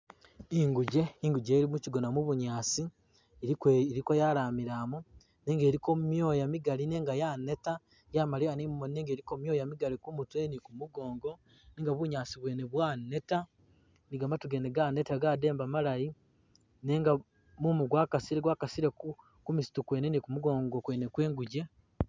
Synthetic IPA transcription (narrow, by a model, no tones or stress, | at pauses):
iŋɡuɟe̞iŋɡuɟeːɾimuciɡo̞namuβuɲaːsi | ɾikojaɾaːmiɾaːmu | ne̞ːŋɡe̞ːɾikomumjo̞ːjamiɡaline̞ːŋɡajane̞ta | jamalianimmonineːŋɡe̞ːɾikommjoːjamiɡalikumutue̞nikumuɡo̞ːŋɡo̞ | niːŋɡaβuɲaːsiβwe̞ːneβwane̞ta | niɡamatuɡeneɡane̞taɡade̞ːmbamalaji | neːŋɡa | mumuɡwaːkasiɾeɡwaːkasiɾeku | kumisi̥tukwe̞ːnenikumuɡo̞ːŋɡokwe̞ːnekwe̞ːŋɡuɟe